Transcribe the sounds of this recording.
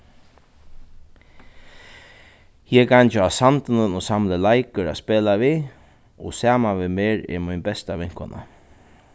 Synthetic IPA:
jɛkʰant͡ʃəasant̪ənənɔsamləlajkəɾa̰speːlaʋi | ɔ̰saːmanʋɪmeːɹɛ̰ɹmɔjnbɛst̪aʋɪŋ̥kɔ̰na̰

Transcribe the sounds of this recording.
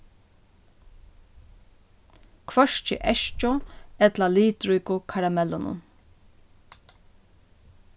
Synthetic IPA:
kʰʋœʃt͡ʃɪ̰ʔɛʃt͡ʃɔɛt̪laliːt̪ɾʏkʊkʰaɹamɛlːʊnʊ̰n

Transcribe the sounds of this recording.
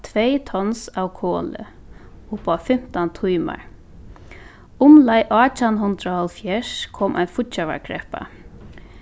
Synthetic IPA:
t̪ʰvɛːjt̪ʰɔnsawkʰɔːlɪ̰ | ʊpafɪm̥t̪ant̪ʰujma̰ɹ | ʊmlajʔɔːt͡ʃanɦʊnt̪ɾahɔlfjɛʂkʰɔːmʔa̰jnfʊt̪t͡ʃava̰ɹɡɾɛhpa̰

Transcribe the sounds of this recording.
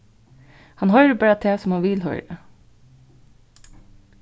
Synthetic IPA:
hɑnhœʏɾəbæːɾɑt̪ʰeːsɔmhɑnʋɪlhœ̰ʏɾə

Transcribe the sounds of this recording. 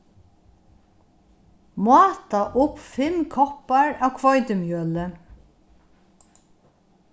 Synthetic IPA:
mɑːt̪aʔʊpfɪmkʰɔpaɹaːwkʰvɔjt̪ɪmjœːlɪ

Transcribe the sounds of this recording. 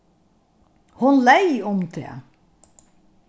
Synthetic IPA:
hʊnlæɪʊmt̪ʰḛː

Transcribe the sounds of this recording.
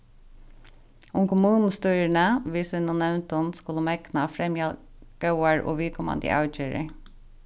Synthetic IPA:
ʊmkʰʊmʉːnn̩st̪yːɾəɳəʋɪːsɪnɔnɛʋnt̪ɔnskʊləmɛknɑfɾɛmjɑ | ɡ̥ɑʊəɹo̰ːʋɪːkʰɔmɑ̰nd̪ə̰ʔɑ̰ʉc͡çøːɹə̰

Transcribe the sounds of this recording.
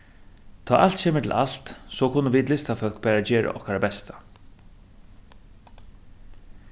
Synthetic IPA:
t̪ʰaːʔal̥t̪ɕeːmət̪ʰɪ̰lʔa̰l̥t̪sɔːkʰʊnːəʋiːd̪lɪst̪afœl̥kbæːɾad͡ʑeːɹʔa̰ʔɔ̰hkaɾabɛst̪ʰḁ

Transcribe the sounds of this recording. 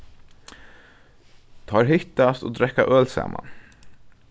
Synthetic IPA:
t̪ʰɑːɾɦʏt̪ast̪o̰ːd̪ɾɛkːaʔœːlsæ̰ːmʔa̰n

